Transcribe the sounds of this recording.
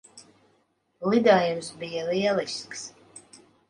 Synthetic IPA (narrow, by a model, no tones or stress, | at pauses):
lid̪aːjumsbijaliɛlˠisks